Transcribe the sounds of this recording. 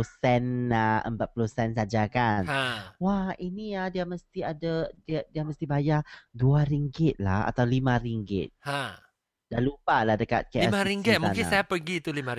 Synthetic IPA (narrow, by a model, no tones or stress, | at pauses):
osɛnaʔə̰mpat̪̚pulosɛns̬ad͡ʒakanawahiniadiaməst̪iadadiadiaməst̪ibajaduaɾiŋɡɪt̪̚laha̰t̪awlimãɾiŋɡɪ̰t̪̚ã | danlupalahdəka̰t̪̚kaiaɾiŋɡit̪̚muakɪnsajapəɡit̪ulimã